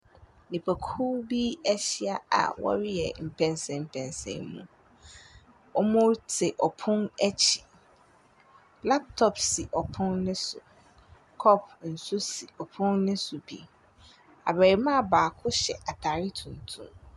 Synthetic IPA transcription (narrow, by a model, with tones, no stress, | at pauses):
nĩ˨pʰæ˨kʰu˦bi˦ɛ˦ɕi˦a˨a̰˨wɔ̰˦ɾɪ˦jɛ̰˨m̩˨pʰɛ̃˨nsɛ̃˨m̩˨pʰɛ̃˨nsɛ̰̃˨nmṵ̃˦ | ɔ˦mʊ̃˦ɾtʰɪ˨ʔɔ˨pʰʊ̃˦nɛ˦t͡ɕʰi̥˨ | la˦p̚tʰɔ˨psi˨ʔɔ˨pʰʊ̃˦nnɪ̃˦sʊ˨ | kʰɔ˦pʰn̩˨sʊ˦si˨ɔ˨pʰʊ̃˦nnɪ̃˦sʊ˨bḭ˨ | a̰˨bæ˨i˨mã˦˨baː˨kʰʊ˦ɕɛ̰˨ʔa˨tʰa˨ɾi˦tʰũ˨n˨tʰṵ̃˦m